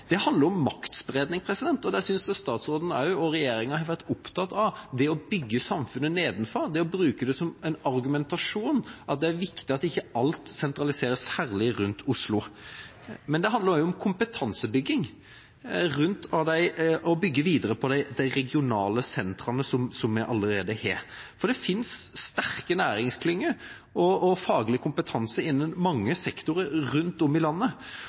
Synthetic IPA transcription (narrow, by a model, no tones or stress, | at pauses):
d̪̥ɛɦɑnd̪ləɾɔmːɑkt̪sbɾeːd̪nɪŋpʰɾɛsɪd̪ɛnt̪ɔd̪æsʏnsɛst̪ɑːt̪sɾoːd̪n̩ɑ̰ʉɔɾɛjeːɾɪŋɑnhɑɾʋæɾʈ̪ʊpt̪ʰɑt̪ɑʋd̪ɛɔbʏɡːəsɑmfʉnːəneːd̪n̩fɔɾd̪ɛɔbɾʉːkəd̪ɛsɔmɛɪnɑɾɡʉmɛnt̪ɑʂuːnʔɑt̪̚d̪ɛæɾʋɪkt̪ɪɑt̪ɪçːəɑlt̪sɛnt̪ɾɑlɪseːɾəshæːɾlɪɾʉnt̪ʰʊslʊ | mɛnd̪ɛɦɑnd̪əɾjʊɔmkʰʊmpət̪ʰɑnsəbʏɡːɪŋ | ɾʉnt̪ʰɑd̪æɪɔbʏɡːəʋiːd̪əɾəpʰɔd̪æɪd̪æɪɾɛɡɪʊnɑːləsɛnt̪ɾɑnəsɔmsɔmːɛʔɑlːəɾeːd̪əheːɾfɔɖ̪ɛfɪnsːt̪æɾkənæːɾɪŋskʰlʏŋːə | ɔɔfɑːɡlɪkʰʊmpət̪ʰɑnsəɪnːənmɑŋːəsɛkt̪ʊɾəɾʉnt̪ɔmːɪlɑnːə